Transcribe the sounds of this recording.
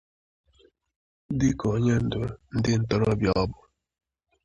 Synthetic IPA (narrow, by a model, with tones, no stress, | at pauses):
di˦kɔ˨˦ɲɛ˦n̩˨do˨n̩˦di˦˨n̩˨tɔ˦ɾɔ˦bjɔ˦bɔ˨